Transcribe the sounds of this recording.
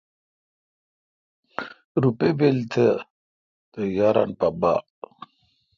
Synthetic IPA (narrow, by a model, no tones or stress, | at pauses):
ɾupebelt̪ʰə | t̪əjaɾa̰npaba̰